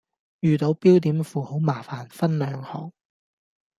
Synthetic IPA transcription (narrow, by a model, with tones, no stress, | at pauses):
jyː˨t̪o˨˧˥wpiː˥wt̪iː˨˥mfuː˨ho˨˥wmaː˨˩faː˨˩nfɐ˥nlœː˨˧ŋhɔː˨˩ŋ